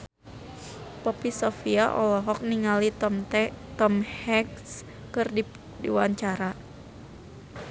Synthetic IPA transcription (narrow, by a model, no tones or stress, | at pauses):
pɔpisɔfiaʔɔ̰lɔɦɔk̚niŋali | t̪ɔmhɛks | kɨrdi | diwaɲt͡ʃaɾa